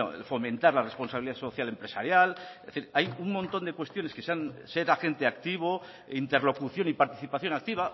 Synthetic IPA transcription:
o̰fo̞mẽ̞nt̪aɾlare̞spo̞nsaβiliðaso̞θjalempɾesaɾjaleθiɾajuŋmõ̞nt̪o̞nd̪e̞kwe̞st̪jo̞ne̞skeseanse̞ɾaxe̞nt̪eakt̪iβ̞o | int̪e̞ɾlo̞kuθjo̞nipaɾt̪iθipaθjo̞nak̚t̪iβ̞a

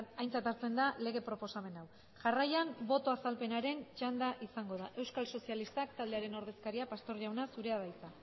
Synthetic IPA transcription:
ajnt͡sat̪aɾt͡se̞nd̪ale̞ɣ̞e̞pɾo̞po̞same̞naw | ʝarajanbo̞t̪o̞asalpe̞naɾe̞nt͡ʃand̪aʔisaŋɡo̞ð̞aʔe̞wskalso̞sialist̪ak̚t̪ald̪e̞aɾe̞no̞ɾð̞e̞skaɾiapast̪o̞ɾʝawnasuɾe̞aðajt͡sa

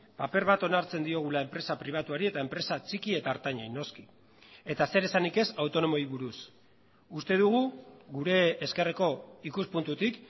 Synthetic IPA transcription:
pape̞ɾβat̪o̞naɾt͡se̞nd̪io̞ɣ̞ulae̞mpɾe̞sapɾiβ̞at̪uaɾie̞t̪aempɾe̞sat͡sikie̞t̪aːɾt̪aɲajno̞ski̥ | e̞t̪ase̞ɾe̞sanike̞sawt̪o̞no̞mo̞iβuɾus | ust̪e̞ðuɣ̞uɣuɾe̞ːske̞re̞ko̞ikuspunt̪ut̪ik

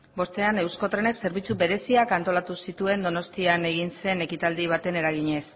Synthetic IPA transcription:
bo̞st̪e̞ane̞wsko̞t̪ɾe̞ne̞kse̞ɾβ̞it͡sube̞ɾe̞siakant̪o̞lat̪usit̪ue̞nd̪o̞no̞st̪iane̞ɣinse̞ne̞kit̪ald̪iβ̞at̪e̞ne̞ɾaɣiɲe̞s

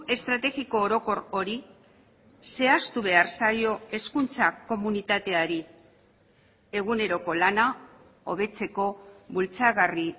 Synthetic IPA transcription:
e̞st̪ɾat̪e̞ɣiko̞ːɾo̞ko̞ɾo̞ɾi | se̞ast̪uβe̞aɾsajo̞e̞skunt͡sako̞munit̪at̪e̞aɾi | e̞ɣ̞une̞ɾo̞ko̞lana | o̞̰β̞e̞t͡se̞ko̞βult͡saɣari

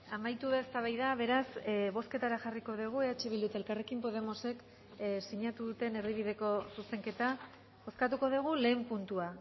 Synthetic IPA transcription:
amajt̪uβeaest̪aβ̞ajðaβ̞e̞ɾasβo̞ske̞t̪aɾaxariko̞ðuɣ̞ueat͡ʃeβild̪ut̪elkare̞kimpo̞ð̞e̞mo̞se̞k | siɲat̪uðut̪e̞ne̞ɾðiβ̞iðe̞ko̞suse̞ŋke̞t̪a | o̞skat̪uko̞ð̞eɣ̞ule̞ːmpunt̪ua

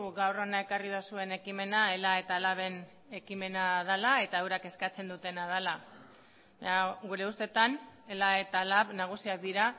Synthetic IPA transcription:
ɡawronae̞karið̞osue̞ne̞kime̞nae̞lae̞t̪alaβe̞n | e̞kime̞nað̞alae̞t̪aewɾake̞skat͡se̞nd̪ut̪e̞nað̞ala | aɡuɾe̞ust̪e̞t̪ane̞lae̞t̪alaβnaɣ̞usiak̚d̪iɾa

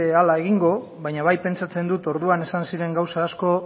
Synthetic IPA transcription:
ealae̞ɣiŋɡo̞ | βajɲaβajpe̞nt͡sat͡se̞nd̪ut̪o̞ɾðuane̞sansiɾe̞ŋɡawsaːsko̞

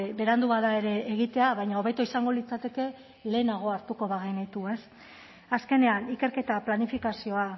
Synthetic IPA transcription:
βe̞ɾand̪uβaðae̞ɾe̞ːɣ̞it̪e̞aβajɲao̞β̞et̪oisaŋɡo̞lit͡sat̪e̞ke̞ | le̞ːnaɣ̞o̞aɾt̪uko̞βaɣenit̪ue̞s | aske̞ne̞anike̞ɾke̞t̪aplanifikasio̞a

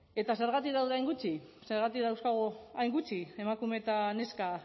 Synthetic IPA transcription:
e̞t̪ase̞ɾɣat̪ikðawðeajŋɡut͡ʃi | se̞ɾɣ̞at̪ikðawskaɣ̞oajŋɡut͡ʃie̞makume̞t̪ane̞ska

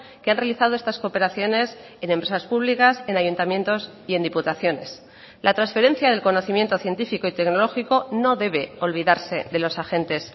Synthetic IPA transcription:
keanrealiθaðoe̞st̪asko̞pe̞ɾaθjo̞ne̞s | e̞nempɾe̞saspuβlikase̞naʝunt̪amjẽ̞nt̪o̞s | ie̞nd̪iput̪aθjo̞ne̞s | lʔat̪ɾansfe̞ɾe̞n̟θjað̞e̞lko̞no̞θimje̞nt̪o̞θje̞nt̪ifiko̞it̪e̞kno̞lo̞xiko̞no̞ðe̞βe̞o̞lβiðaɾse̞ðe̞lo̞saxe̞nt̪e̞s

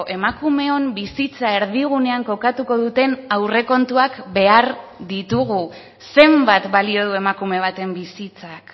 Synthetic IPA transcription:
ʔe̞makume̞ombisit͡sae̞ɾð̞iɣ̞une̞aŋko̞kat̪uko̞ðut̪e̞nawre̞ko̞nt̪uakbe̞aɾd̪it̪uɣ̞u | se̞mbat̪balio̞ð̞ue̞makume̞β̞at̪e̞mbisit͡sak

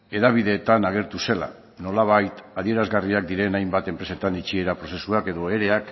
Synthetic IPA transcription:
e̞ðaβ̞iðe̞ːt̪anaɣ̞e̞ɾt̪use̞la̰ | no̞laβ̞ajt̪aðie̞ɾazɣariak̚d̪iɾe̞najmbat̪e̞mpɾe̞se̞t̪anit͡ʃie̞ɾapɾo̞se̞suake̞ðo̞e̞ɾe̞ak

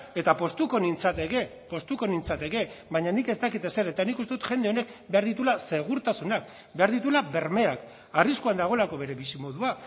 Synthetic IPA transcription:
e̞t̪apo̞st̪uko̞nint͡sat̪eɣe̞ | po̞st̪uko̞nint͡sat̪e̞ɣe̞βaɲanike̞st̪akit̪e̞se̞ɾet̪anikust̪eut̪ʝe̞nd̪eo̞ne̞kbe̞aɾðit̪ulase̞ɣ̞uɾt̪asunak̚ | be̞aɾðit̪ulaβe̞ɾme̞ak | ariskuand̪aɣ̞o̞lako̞β̞e̞ɾeβisimo̞ðua

